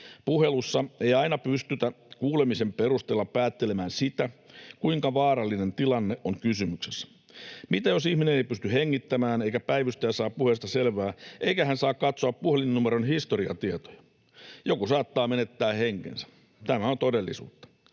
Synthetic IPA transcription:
puhe̞lusːɑe̞jɑinɑpyst̪yt̪æ | kuːlemise̞mpeɾust̪eːlːɑppæːt̪ːelemæːnsit̪ækuiŋkɑʋɑːɾɑlːine̞nt̪ilɑnːeʔʔoŋkysymyksesːæ̥ | mit̪æjo̞sihmineneipyst̪yheŋːit̪ːæmæːneikæpæiʋyst̪æjːsɑːppuhest̪ɑselʋæːʔeijkæhænsɑːkkɑt̪soɑppuhelinːumeɾonhist̪oɾiɑ̰t̪iet̪o̥jɑ̥ | jokusɑːt̪ːɑːmenet̪ːæːheŋkḛnsæ̥ | t̪æmæont̪odelːisṵːt̪ːɑ̥

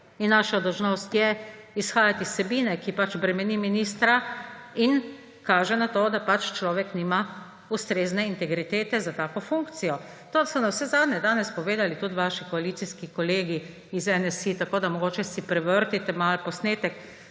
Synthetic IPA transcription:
inːaːʃad̪ɔwʒnost̪jɛ | isxaːjat̪isːɛbiːnɛkipat͡ʃbɾɛmɛniminist̪ɾain | kaːʒɛnat̪oːd̪apat͡ʃt͡ʃlɔːʋɛkniːma | ust̪ɾeːznɛint̪ɛɡɾit̪eːt̪ɛzat̪aːkɔfuŋkt̪sijɔ | t̪oːd̪asɔnawsɛzaːd̪nɛd̪aːnɛspɔʋeːd̪alit̪ut̪ʋaʃikɔalit̪siskikɔleːɡi | izɛnɛsit̪akoːd̪amɔɡoːt͡ʃɛsipɾɛʋəɾt̪it̪ɛmalpɔsneːt̪ɛk

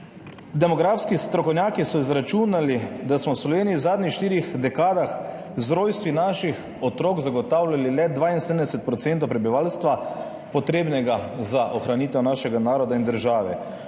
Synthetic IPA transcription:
d̪ɛmɔɡɾaːfskist̪ɾɔkɔwnʲjaːkisɔizɾat͡ʃunalid̪asmɔwslɔʋeːnijiwzaːd̪nʲɲixʃt̪iːɾixd̪ɛkaːd̪ax | zɾoːjst̪ʋinaːʃix | ɔt̪ɾoːkzaɡɔt̪aːwlʲalilɛd̪ʋaːinsɛd̪ənd̪ɛsɛt̪̚pɾɔt̪sent̪ɔwpɾɛbiʋaːlst̪ʋa | pɔt̪ɾeːbnɛɡazaʔɔxɾaniːt̪ɛwnaːʃɛɡanaːɾɔd̪aind̪əɾʒaːʋɛ

